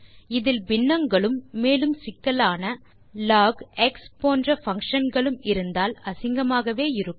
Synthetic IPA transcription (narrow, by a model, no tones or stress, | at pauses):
ɪðɪlbɪnːɐŋɡɐɭɯmːeːlɯmsɪkːɐlaːnɐ | laːɡɛkspoːndrɐfɐŋkʂɐnɡɐɭɯmɪɾɯnd̪aːlɐsɪŋɡɐmaːɣɐʋeːɪɾɯkː